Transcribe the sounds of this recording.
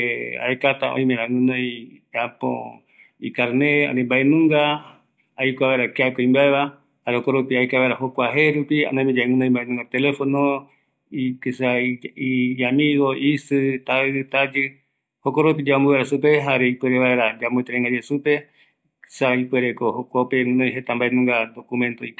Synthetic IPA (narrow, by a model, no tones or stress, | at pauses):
a̰ekat̪aõ̰ĩmẽɾãŋũnõjapo̰ | ikaɾnea̰nembaʔenũŋɡa | ajkʷaβaɾakeakoĩmbaeβa | haɾehokoɾopiaekaβajɾahokʷaɦeɾupia̰nãmĩd͡ʒaeŋũnõj̃mbaenũŋɡat̪elefono | ikesaiamiɣoisɨt̪aɨt̪ad͡ʒɨ | hokoɾopid͡ʒambuβeɾasupeɦaɾeipeɾeβaeɾad͡ʒambot̪eɾeŋɡad͡ʒesupe | ksaipweɾekohokʷapemũnãjɦet̪ambaenũŋɡad̪okumẽnt̪oik